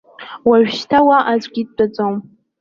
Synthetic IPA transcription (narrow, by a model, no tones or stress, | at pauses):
waʒᶣʃtʰawaʔazʷɡʲid̚ʼt͡pʼad͡zʼom